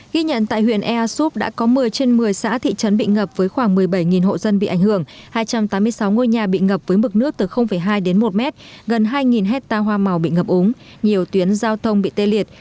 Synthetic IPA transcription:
ɣi˧ɲə̰˧˨nt̪a̰ː˧˨jhwḭ˧˨ənʔɛ˧ʔaː˧su˦˥p̚ɗa̰ː˧˥kɔ˨˦mɨ˨˩əjt͡ɕe˧nmɨ˨˩əjsa̰ː˧˥t̪ʰḭ˧˨t͡ɕə˨˦nɓḭ˧˨ŋə˨˩p̚vəː˨˦jxwaː˧˩ŋmɨ˨˩əjɓə˧˩jŋi˨˩nɦo̰˧˨zə˧nɓḭ˧˨ʔa˧˩ŋ̟hɨ˧˩əŋhaː˧jt͡ɕa˧mt̪aː˨˦mːɨ˧əjsa˨˦wŋo˧jɲaː˨˩ɓḭ˧˨ŋə˨˩p̚vəː˨˦jmɨ˨˩k̚nɨ˦˥ək̚t̪ɨ˨˩xə˧wŋ͡mfə˧˩jɦaː˧jɗe˨˦nmo˨˩t̚mɛ˦˥t̚ɣə˨˩nɦaː˧jŋi˨˩nɦɛ˦˥k̚t̪aː˧ɦwaː˧ma˨˩wɓḭ˧˨ŋə˨˩p̚ʔʊ˨˦ŋ͡m | ɲi˨˩əwt̪wi˨˦ənzaː˧wt̪ʰə˧wŋ͡mɓḭ˧˨t̪e˧li˨˩ət̚

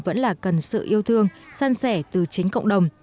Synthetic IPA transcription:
və̰˧˥nlaː˨˩kə˨˩nsɨ̰˧˨ʔi˧əwt̪ʰɨ˧əŋsa˧nsɛ˧˩t̪ɨ˨˩t͡ɕï˨˦ŋ̟kə̰˧˨wŋ͡mɗə˨˩wŋ͡m

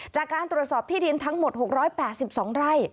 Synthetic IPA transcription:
t͡ɕaː˨˩kːaː˧nt̪ɾu˨˩ət̪̚sɔː˨˩p̚t̪ʰiː˥˩di˧nt̪ʰa˦˥ŋmo˨˩t̪̚ho˨˩k̚ɾɔː˦˥jpɛː˨˩t̪̚si˨˩p̚sɔː˩˦ŋɾa˥˩j

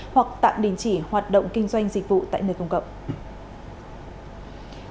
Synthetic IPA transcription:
hwa˨˩k̚t̪a̰ː˧˨mɗi˨˦nt͡ɕi˧˩hwaː˨˩t̚ɗə̰˧˨wŋ͡mkï˧ŋ̟zwa˧jŋ̟zï˨˩k̟̚vṵ˧˨t̪a̰ː˧˨jŋəː˨˩kə˧wŋ͡mkə̰˧˨wk͡p̚

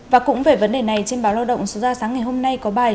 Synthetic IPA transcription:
vaː˨˩kʊ̰˧˥ŋ͡mve˨˩və˨˦nɗe˨˩na˨˩jt͡ɕe˧nɓaː˨˦wlaː˧wɗə̰˧˨wŋ͡mso˨˦zaː˧˩saː˨˦ŋːa˨˩jɦo˧mna˧jkɔ˨˦ɓaː˨˩j

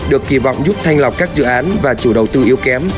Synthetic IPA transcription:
ɗɨ˨˩əkːi˧˩vɔ̰˧˨wŋ͡mzʊ˦˥k͡p̚t̪ʰa˧jŋ̟la˨˩k͡p̚kaː˦˥k̚zɨ̰˧˨ʔaː˨˦nvaː˨˩t͡ɕu˧˩ɗə˨˩wt̪ɨ˧ʔi˨˦əwkɛ˨˦m

